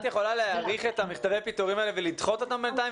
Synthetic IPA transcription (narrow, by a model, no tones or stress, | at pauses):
t̪jeχo̞laleaʁiχet̪amiχt̪avejapit̪uʁimaelevelid̪χo̞t̪o̞t̪ambent̪ai